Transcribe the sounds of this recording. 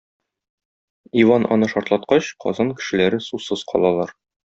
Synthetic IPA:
ivɑnʔɒ̰nɤʃɒɾt̪lˠɑt̪qɑɕqɒ̰zɑnkɘ̥̆ʃɘ̆læɾɘsusɤz̥qɒ̰lˠɑlˠɑɾ

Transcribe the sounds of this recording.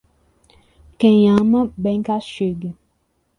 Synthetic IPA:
kɛ̃jãmãbɛ̃ŋkaʃeɡe

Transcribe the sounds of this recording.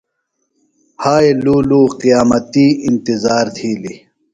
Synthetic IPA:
haːeluːluːqijaːmɐt̪iːint̪izaːɾt̪ʰiːli

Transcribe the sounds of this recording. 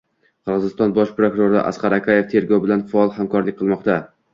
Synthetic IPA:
qʰɨɾʁɨzɪst̪ɒnbɒʃpɾokʊɾoɾɪ̰ʔa̰sqɑɾakʲʰaje̞ft̪ʰe̞ɾɡɒwbɪlanfaɒlˠhamkɒɾlɪkʲqʰɨlˠmɒqt̪a

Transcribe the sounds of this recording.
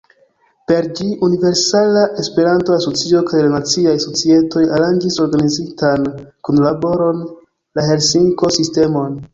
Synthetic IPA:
pe̞ɾd͡ʒiʔunive̞ɾsalaʔe̞spe̞ɾantoaso̞t͡sio̞kajlanat͡siajso̞t͡sie̞to̞jaɾand͡ʒiso̞ɾɡanizitankunlabo̞ɾo̞n | lahe̞lsiŋko̞siste̞mo̞n

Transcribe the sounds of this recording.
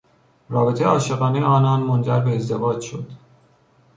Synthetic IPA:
rɒːbe̞t̪ʰejeɒːʃeɣɒːnejeɒːnɒːnmond͡ʒæɾbe̞ːzd̪e̞vɒːd͡ʒʃo̞d̪̥

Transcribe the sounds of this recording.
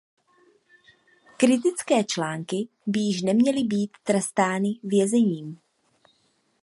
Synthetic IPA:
kɾɪt̪̬ɪt͡skɛːt͡ʃlaːŋkɪ | bɪjɪʃnɛmɲɛlɪbiːt̪ːɾɛst̪aːnɪvjɛzɛɲiːm

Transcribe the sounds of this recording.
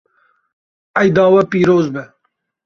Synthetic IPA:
ɐjd̪ɑːwɐpiːɾoːzbɛ

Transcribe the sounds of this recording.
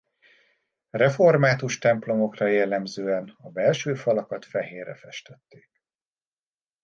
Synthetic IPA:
rɛfo̞rmaːt̪uʃt̪ɛmplo̞mo̞krɒjɛlːɛmzøːɛnɒbɛlʃøːfɒlɒkɒt̪fɛɦeːrɛfɛʃt̪ɛt̪ːeːk

